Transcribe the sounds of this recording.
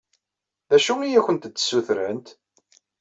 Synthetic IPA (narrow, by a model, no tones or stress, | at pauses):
ðæʃuijæçənt̪t͡sːə̥sːuθɾənt̪